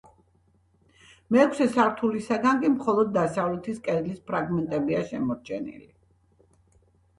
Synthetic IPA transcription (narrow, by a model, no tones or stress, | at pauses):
mɛːkʰsɛsaɾt̪ʰulisaɡaŋɡʼimχɔlˠɔd̪̚ːasavlɛt̪ʰiskʼɛd̪lispʰɾaɡmɛnt̪ʼɛbiaʃɛmɔɾt͡ʃʰɛ̰nḭli